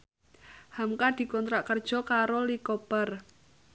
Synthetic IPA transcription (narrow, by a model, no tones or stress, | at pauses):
hamkad̪̥i̤kɔnt̪ɾaʔkərd̥ʒ̥ɔ̤kaɾolikɔpər